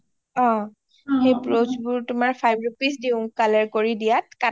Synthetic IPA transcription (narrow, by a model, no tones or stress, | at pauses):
ɔ̃ | xejpɹozbʊɹtʊmaɹpʰajbɹupis̬diʊ̃kalaɹkoɹidijatka